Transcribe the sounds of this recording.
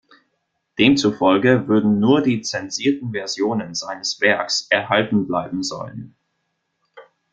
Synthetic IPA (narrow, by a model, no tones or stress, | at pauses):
d̥eːmt͡sufɔlɡəvʏɐdn̩nuːɐdiːt͡sɛnziːɐtn̩vɛɐzjoːnənzaɪnəsv̥ɛɐksʔɛɐhaltn̩blaɪbm̩zɔ̰lən